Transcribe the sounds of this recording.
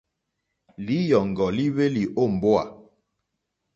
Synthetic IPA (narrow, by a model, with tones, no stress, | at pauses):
li˨˦jɔ˨ŋ˨ɡɔ˨li˦βe˦li˨ʔo˦˨m̩˨bo˦a̰˨